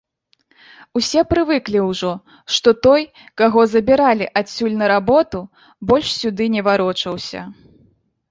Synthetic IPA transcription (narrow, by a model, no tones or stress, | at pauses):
usʲɛpɾɨvɨklʲiwʐɔ | ʂt̪ɔt̪ɔj | kaɣɔzɐbʲiɾalʲiʔasʲːulʲnɐɾabɔt̪u | bɔlʲʂsʲud̪ɨnʲɛvaɾɔt͡ʂɐwsʲɐ̰